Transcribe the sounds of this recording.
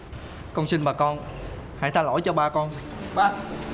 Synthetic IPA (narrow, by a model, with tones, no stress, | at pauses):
kɔ˧nsï˧nɓaː˨˩kɔ˧nha̰˧˥˦jt̪ʰaː˧˩lo̰˧˥˦jt͡ɕɔ˧ɓaː˧kɔ˧nɓaː˧